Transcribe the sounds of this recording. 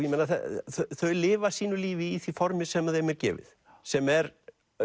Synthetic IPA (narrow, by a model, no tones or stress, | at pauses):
jɛmejnaθɛ̰θθœɥjlɪːvasiːnʏliːvɪiθvifɔɾmɪsɛmaðejmɛɾcɛ̰ːvɪ̰ð | sɛmɛɾ